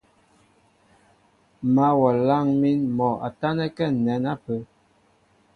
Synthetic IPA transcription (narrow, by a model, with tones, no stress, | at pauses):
ma˦wɔ˨la˦˨ŋmi˦nmɔ˨ʔa̰˨ta˦nɛ˦kɛ˦˨nɛ˨˦na˦pə˨˦